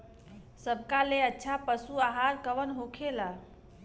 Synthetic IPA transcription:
səbkaleətːʃʰapəsuaɦaɾkəʋənɦokʰela

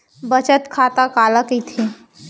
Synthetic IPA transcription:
bət͡ʃət̪kʰaːt̪akaːləkit̪ʰi

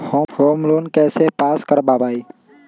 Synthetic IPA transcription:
hoːhoːmɾoːnkɛːseːpaːskəɾbaːbaːiː

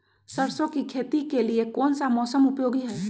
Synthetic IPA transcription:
səɾsõkikʰeːt̪ikeliekɔːnsamɔːsəmʊpjoːɡiɦɛː

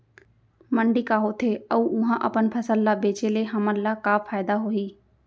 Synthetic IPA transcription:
məɳɖikaɦot̪ʰeɐuʊɦãʔəpənpʰəsəlːabeːt͡ʃeleɦɐməlːakaːpʰaːjd̪aɦoiː

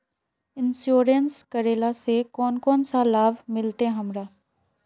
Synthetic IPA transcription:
ɪnsjoːɾənskəɾeːlasekɔːnkɔːnsalaːʋmɪlt̪eɦəmɾaː

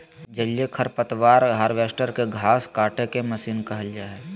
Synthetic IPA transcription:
d͡ʒɐljekʰɐɾpət̪waːɾɦaːɾʋeːsʈəɾkeɡʱaːskaːʈekemɐsiːnkɐɦəld͡ʒaːɛ

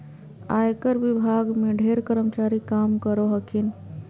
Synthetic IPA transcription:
a̰jkəɾʋibʱaɡmeɖʱeɾkəɾəmt͡ʃaɾikamkəɾoɦəkʰin

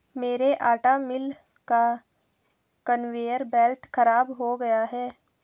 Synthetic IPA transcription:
meːɾeʔaːʈamɪl | ka | kənʋeːjəɾbɛːlʈxɐɾaːbɦoɡɐjaɦɛː

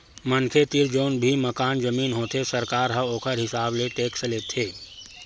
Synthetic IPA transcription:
mɐnkʰet̪iɾd͡ʒoːnbʱimɐkaːnd͡ʒəmiːnɦoːt̪ʰesɐɾkaːɾɦə̃oːkʰəɾɦɪsaːbleʈeːksleːt̪ʰeː

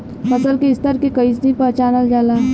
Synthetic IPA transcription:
fəsəlkeɪst̪əɾkekəisd̪ipət͡ʃaːnəld͡ʒalaː

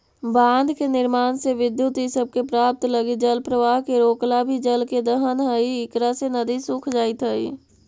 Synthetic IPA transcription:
bãːnd̪ʱkenɪɾmaːnseʋɪd̪jut̪isəb̚kepɾaːp̚t̪ləɡid͡ʒəlpɾəʋaːɦkeɾoːklabʱid͡ʒəlked̪əɦənɦəiɪkɾasenəd̪isʊ̃kʰd͡ʒaːit̪ɦəḭ

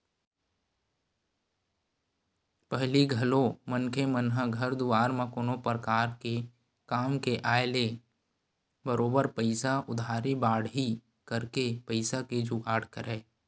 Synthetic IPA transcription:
pəɦliɡʱəlõmənkʰemənɦəɡʱəɾd̪uaːɾmẽkoːnopɾəkaːɾke | kaːmkeʔaːele | bəɾoːbəɾpəɪsaʔʊd̪ʱaːɾibaːɽɦi | kəɾkepəɪsaked͡ʒuːʔaːɽkəɾɛː

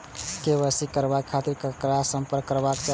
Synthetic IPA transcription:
keβəsikəɾbakʰːat̪iɾkəkɾasəmpəɾkːəɾbakt͡ʃa

